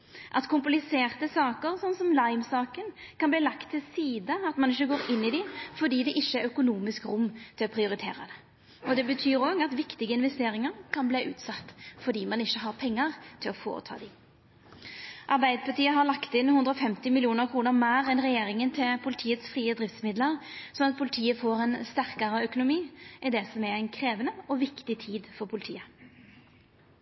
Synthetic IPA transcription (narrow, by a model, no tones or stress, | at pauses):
ʔɑt̪kʰʊmplɪseːʁt̪əsɑːkəɾsɔnːsɔmlɑɪmsɑːkənkʰɑnbliːlɑkt̪ʰːɪlsiːd̪əɑt̪mɑnɪçːəɡoːɾɪnːɪd̪ɪfɔd̪iːd̪ɛʔɪçːəæɾœkʊnuːmɪskɾʊmːt̪ʰɪlɔpʰɾɪʊɾɪt̪ʰḛːɾə̰d̪ɛ | ɔd̪ɛbət̪ʰyːɾɔɡɑt̪ʋɪkt̪ɪɡəɪnʋɛst̪eːɾɪŋəɾkʰɑnbliːʔʉ̰ːt̪sɑt̪ːfɔd̪iːmɑnɪçːəɦɑʁpʰɛŋːəʁt̪ʰɪlɔfo̰ːɾə̰t̪ʰɑ̰ːd̪i | ʔɑʁbæɪd̪əpʰɑʁt̪iːəɦɑʁlɑkt̪ɪnhʉnd̪ɾɔfɛmt̪ɪmɪlɪuːnəɾkʰʁuːnəʁmæːʁɛnʁɛjeːɾɪŋənt̪ʰɪlpʰʊlɪt̪ʰiːət̪sfʁiːəd̪ʁɪft̪smɪd̪ləʁsɔnɑt̪̚pʰʊlɪt̪ʰiːəfoːɾɛnst̪æʁkɑɾəœkʊnʊmiːʔɪd̪ɛsɔmæʁæɪnkʰɾeːʋənəɔʋɪkt̪ɪt̪ʰiːd̪fɔɾpʰʊlɪt̪ʰḭːə